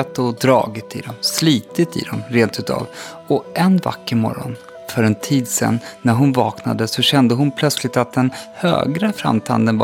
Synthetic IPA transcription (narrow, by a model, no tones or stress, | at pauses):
at̪ɔd̪ɾɑ̰ːɡɪt̪ɪd̪ɔmsliːt̪ɪt̪ɪ̰d̪ɔmɾeːnt̪ʉ̟ːt̪ʰɑ̰ːv | ɔʔɛnva̰kːəɾmɔ̰ɾɔ̰n | fœɾɛnt̪ʰiːd̪sɛ̰nːæɾɦʊnvɑːknad̪əsɔɕɛnd̪əɦʊnpʰlœt̪slɪt̪at̪̚d̪ɛnhø̰ːɡɾəfɾa̰mt̪ʰa̰nd̪ənv